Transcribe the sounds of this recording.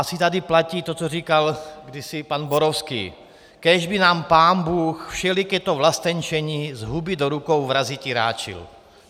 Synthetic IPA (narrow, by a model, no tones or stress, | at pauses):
asit̪ad̪iplaciːt̪ot͡sɔriːkalɡdisipanboɾofskḭː | kɛːʒbinaːmpaːnbuːxfʃɛlikɛt̪ovlast̪ɛɲt͡ʃɛɲizɦubid̪oɾukowvɾaziciɾa̰ːt͡ʃḭl